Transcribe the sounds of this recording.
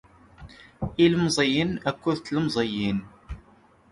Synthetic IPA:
iləmzˤəjənækʷːuðt͡sːləmzˤəjin

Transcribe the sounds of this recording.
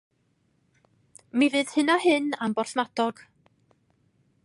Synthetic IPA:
mivɨːð̥hɨnɔɦɨnambɔrθmadɔɡ̥

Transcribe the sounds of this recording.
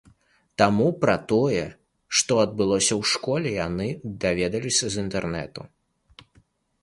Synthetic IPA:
t̪amupɾɐt̪ɔjɛ | ʂt̪ɔɐd̪̚bɨlˠɔsʲɐwʂkɔlʲɛjanɨd̪avʲɛd̪ɐlʲisʲɐzint̪ɛrnɛ̰t̪u

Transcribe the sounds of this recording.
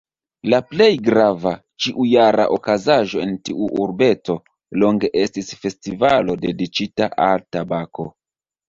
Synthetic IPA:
laple̞jɡɾava | t͡ʃiʔujaɾa̰ʔokazaʒo̞e̞ntiʔuʔuɾbe̞t͡so̞ | lo̞ŋɡe̞ʔe̞stisfe̞stivalo̞de̞dit͡ʃitaʔaltabako̞

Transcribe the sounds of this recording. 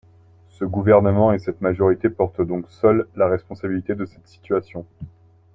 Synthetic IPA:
səɡuvɛʁnəmɑ̃esɛt̪maʒɔʁit̪epɔʁt̪d̪ɔ̃ksœlːaʁɛspɔ̃sabilit̪ed̪əsɛt̪si̥t̪ɥasjɔ̃

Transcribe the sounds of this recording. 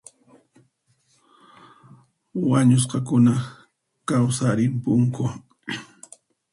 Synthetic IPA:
waɲʊs̬qɑkʊna | kawsaɾɪmpʊŋkʊ

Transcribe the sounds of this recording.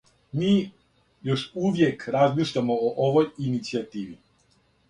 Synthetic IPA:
miː | jo̞ʃuʋje̞kɾazmiːʃʎʲamooʔoʋojinit̪siat̪iːʋi

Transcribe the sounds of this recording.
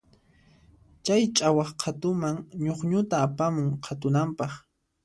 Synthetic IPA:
t͡ʃajt͡ʃʼawɑχqʰat̪ʊmaŋɲoχɲʊt̪aːpamʊŋqʰat̪̬ʊnampɑχ

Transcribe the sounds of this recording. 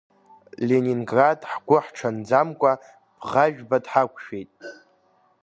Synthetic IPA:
lʲeniŋɡradħɡʷʊħʈ͡ʂʰand͡zamkʷʼa | b̥ʁaʒᶣbadħakʷʰʼʃᶣejtʼ

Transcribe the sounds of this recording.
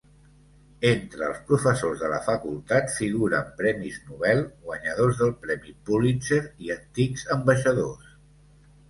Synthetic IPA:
ent̪ɾəːlˠspɾufəsozðələfəkulˠt̪at̪fiɣuɾə̰mpɾɛmiznuβɛlˠɣwəɲəðozðəlˠpɾɛmipulint͡ʃeɾiənt̪ikzəmbəʃəðos

